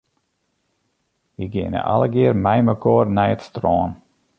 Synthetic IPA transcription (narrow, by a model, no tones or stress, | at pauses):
jəɡɪənə̰ʔa̰ləɡɪərmɛjməkʰɔːrnɛjətstrɔːn